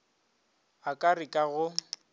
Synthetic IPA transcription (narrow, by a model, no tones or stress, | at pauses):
akʼarikʼaɣʊ